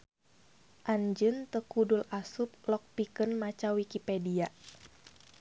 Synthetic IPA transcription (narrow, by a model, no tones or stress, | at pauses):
ʔaɲd͡ʒɨnt̪əkudulasup̚lɔk̚pikənmat͡ʃawikipedia